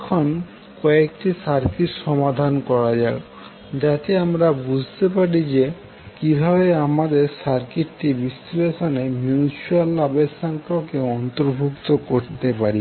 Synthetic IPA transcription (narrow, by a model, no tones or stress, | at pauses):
ɛkʰon | kɔekʈisaɾkiʃɔmad̪ʱankɔɾad͡ʑae | d͡ʑat̪eamɾabud͡ʑʱt̪epaɽid͡ʑe | kibʱabeamad̪eɾsaɾkiʈʈibist̪leʃonemjunit͡ɕualːabesaŋkʰakeɔnt̪oɾbʱukt̪okoɾt̪epaɾi